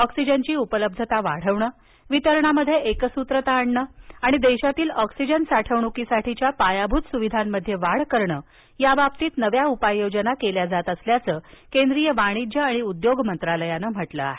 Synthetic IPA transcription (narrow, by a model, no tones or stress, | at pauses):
ɔksid͡ʑənt͡ɕiːupələb̚d̪ʱət̪aʋaɽ̤əʋɳəː | ʋit̪əɾɳaməd̪ʱjeʔekəsut̪ɾət̪aːɳɳəːaɽ̃id̪eɕat̪iːlɔksid͡ʑənsaʈʰəʋɳukisaʈʰit͡ɕjapajabʱuːt̪suʋid̪ʱamːəd̪ʱːjeʋaɽ̤kəɾɳəː | jabapt̪iːt̪nəʋjaupajːod͡ʑənakeljad͡zat̪əsljat͡səːkend̪ɾijəʋaɽ̃id͡ʑəaɽ̃iud̪joɡmənt̪ɾaləjanəːm̤əʈlə̰a̰ɦe